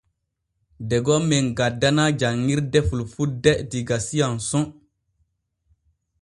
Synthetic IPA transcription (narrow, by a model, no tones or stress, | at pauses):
dɛɡɔmeŋɡadːanad͡ʒaŋːiɾdɛfulfudɛdiɡasijansɔ̃